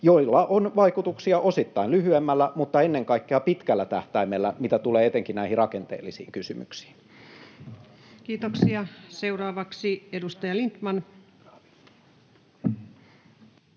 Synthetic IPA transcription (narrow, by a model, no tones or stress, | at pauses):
joilːɑʔonʋɑikut̪uksiɑʔosit̪ːɑinlyhyemːælːæmut̪ːɑenːeŋkɑikːeɑpit̪kælːæt̪æht̪æimelːæmit̪æt̪uleːet̪eŋkinnæihirɑkent̪ḛːlːisḭːŋkysymy̰ksi̥ːn | kiːt̪oksiɑseurɑːʋɑksiedust̪ɑjɑlint̪mɑn